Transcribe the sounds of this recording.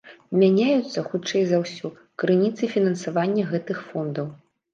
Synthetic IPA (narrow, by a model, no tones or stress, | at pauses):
mʲanʲajut̪sːɐxut͡ʂɛjzɐwsʲu | kɾɨnʲit̪sɨfʲinɐnsavanʲːɐɣɛt̪ɨxfɔnd̪ɐw